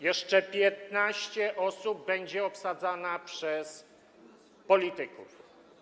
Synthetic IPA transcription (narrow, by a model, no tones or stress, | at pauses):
jɛʂt͡ʂɛpʲjɛt̪naɕt͡ɕɛʔɔsubːɛɲd͡ʑɛɔpsad̪zanapʂɛs | pɔlʲit̪ɘkṵf